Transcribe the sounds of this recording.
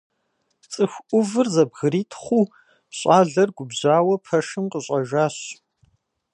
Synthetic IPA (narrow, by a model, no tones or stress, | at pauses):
t͡sʼɨxʷʔʷʊvɨrzɐbɣɨɾiːtʰχʷuː | pɕʼaːɮɐrɡʷʊbʑaːwɐpʰɐʂɨmqəɕʼɐʒaːɕ